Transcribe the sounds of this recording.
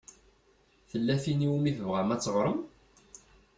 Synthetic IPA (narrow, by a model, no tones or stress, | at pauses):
θəlːæθiniwumiθəvʁæmæt͡sːəʁɾˤəm